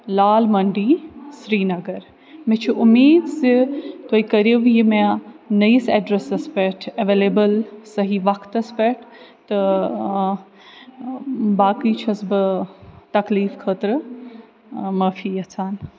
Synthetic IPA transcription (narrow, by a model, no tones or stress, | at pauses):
laːlmɐɳɖiːsɾiːnɐɡɐɾ | mɛ̃t͡ʃʰuʔʊmiːd̪sit̪oːikɐɾiʋjimɛ̃nɐjisɛɖɾesɐspɛʈʰɐʋeːleːbəlsɐɦiʋɐkt̪ɐspɛʈʰt̪ɨ | baːkiːt͡ʃʰɐsbɨt̪ɐkliːfkʰəːt̪ɾɨ | mɐfiːɐt͡sʰaːn